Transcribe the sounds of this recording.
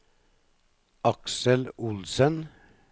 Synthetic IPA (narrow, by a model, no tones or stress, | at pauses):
ʔɑksəlʊlsən